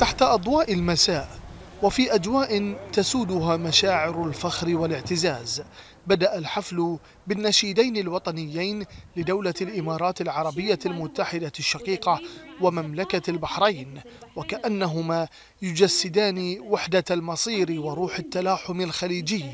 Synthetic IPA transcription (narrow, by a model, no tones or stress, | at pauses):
t̪aħt̪aʔɑd̪ˤwɑːʔɪlmasaːʔ | wafiːʔad͡ʒwaːʔɪnt̪asuːd̪ʊɦaːmaʃaːʕɪɾʊlfaxɾɪwalɪʕt̪ɪzaːz | bad̪aʔalħaflʊ | bɪnːaʃɪːd̪ajnɪlwɑt̪ˤɑnɪjːajnlɪd̪awlalʔɪmɑːɾˤɑːt̪ɪlʕɑɾˤɑbɪjːalmʊt̪ːaħɪd̪aʃːɑqiːqɑwamamlakalbaħɾˤɑjnwakaʔanːaɦʊmaː | jʊd͡ʒasːɪd̪aːnɪwaħd̪almɑsˤiːɾwɪɾˤuːħat̪ːalaːħʊmalxaliːd͡ʒɪjː